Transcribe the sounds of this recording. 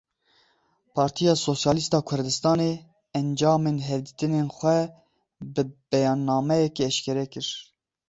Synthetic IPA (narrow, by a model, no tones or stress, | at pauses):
pʰɑːɾt̪ʰijɑːsosjɑːlist̪ɑːkʰʊɾd̪ɨst̪ɑːne | ɛnd͡ʒɑːmeːnɦɛvd̪it̪ɨnenxʷɛ | bɨb̥ɛjɑːnːɑːmɛjɛkeɛʃkʰɛɾɛkɨɾ